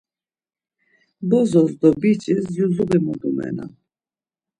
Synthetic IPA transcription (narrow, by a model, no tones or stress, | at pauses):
bɔzɔzd̪ɔbit͡ʃʼɛzjuzubimɔd̪umɛ̰na̰